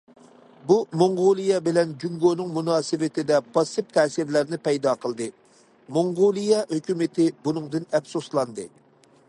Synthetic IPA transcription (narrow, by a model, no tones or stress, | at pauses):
bumoŋʁolˠijɛbɪlɛnd͡ʒyŋɡonɨŋmunɑːsɨvɪt̪ʰɪd̪ɛbɑsɨp̚t̪ʰɛːsɪɾlæɾnɪpɛjd̪ɑqʰəlˠd̪ɨ | moŋʁolˠijɛhøkʲymɪt̪ʰɪbunɨŋd̪ɨnɛfsuslˠɑnd̪ɨ